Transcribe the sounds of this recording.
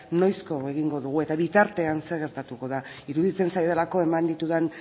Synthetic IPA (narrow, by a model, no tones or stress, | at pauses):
no̞jsko̞e̞ɣ̞iŋɡo̞ðuɣ̞ue̞t̪aβit̪aɾt̪e̞anse̞ɣ̞e̞ɾt̪at̪uko̞ðaiɾuðit͡se̞nsajðelako̞e̞mand̪it̪uðen